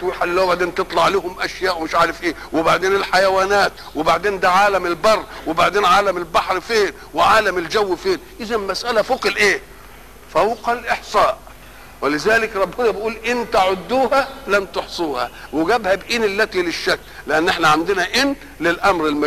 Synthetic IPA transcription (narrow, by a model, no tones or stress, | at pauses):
t̪wiħad̪lːæːbaʕd̪eːnt̪ɨt̪ˤlɑʕleːhʊmʔæʃjæːʔwmɪʃʕaːɾefʔeːwɪbaʕd̪eːnɪlħajæwæːnæːt̪ | wɪbaʕd̪eːnd̪æʕaːlæmɪlbɑrˤːwɪbaʕd̪eːnʕaːlæmɪlbaħɾfeːn | wɪʕaːlæmɪld͡ʒæwːfeːnʔɪzæmmæsʔælæfoqlʔeː | fæwqɑlʔeħsˤɑːʔ | wɪlɪzæːlɪkɾˤɑbːhʊd̪æbɪʔuːlʔɪnt̪æʕod̪ːuːhælæmt̪oħsˤuːhæ̰wɪɡæbhæbʔiːnelːæt̪ilɪʃːækː | lɪʔænːʔeħnæʕand̪ɪnæʔɪn | lɪlʔæmɾɪlmæ